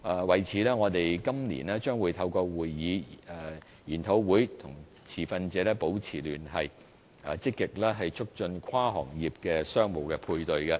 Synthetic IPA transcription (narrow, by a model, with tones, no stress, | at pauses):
aː˨wɐ˨jt͡sʰiː˨˦lɛː˥ŋɔː˨˧t̪e˨jkɐ˥mnḭː˨˩nɛː˥t͡ʃœː˥ŋwuː˨˧jt̪ʰɐ˧wkɔː˧wuː˨˩jːiː˨˧˨ | jiː˨˩nt̪ʰo˨˥wwuː˨˥jt̪ʰʊ˨˩ŋ | t͡sʰiː˨˩fɐ˧nt͡sɛː˨˧lɛː˥po˨˥wt͡sʰiː˨˩lyː˨˩nɦɐ˨j | ɛ˨t͡sɪ˥kːɪ˨k̚lɛː˥ɦɐ˨jt͡sʰʊ˥k̚t͡ʃɵ˧nkʰwaː˥ɦɔ̰ː˨˩ŋjiː˨˩p̚kɛː˧sœː˥ŋmo˨˩wkɛː˧pʰuː˧jt̪ɵ˨ɥkɛ˧